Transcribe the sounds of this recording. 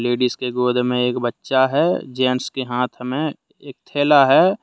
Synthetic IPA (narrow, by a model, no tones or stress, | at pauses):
leːɖiskeɡoːd̪ʱmẽeːkbətːʃaɦɛːd͡ʒɛːnskeɦãːt̪ʰəmẽ | eːk̚t̪ʰeːlaɦɛː